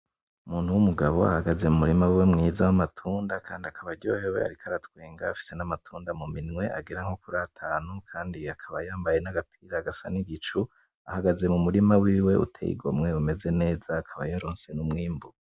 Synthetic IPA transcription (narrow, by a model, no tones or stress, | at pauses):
umuːnhuwumuɡaβo̞̰a̰haɡaze̞mumuɾimawiwe̞mŋiːzawamatʰuːndakaːndiakʰaβaɟo̞̰ːhewe̞̰a̰ɾikʰaɾatkweːŋɡaːfi̥senamatʰuːndamuminŋwe̞ʔaɡiɾaŋ̥ho̞kuɾatʰaːnukʰaːndiakʰaβajaːmbaje̞naɡapʰiːɾaɡasa̰niɡit͡ʃu | a̰haɡaze̞mumuɾimawiːwe̞ʔṵtʰḛḭɡo̞̰mŋe̞ume̞ze̞ne̞ːz̥aːkʰaβajaɾoːnse̞numŋiːmbuɡ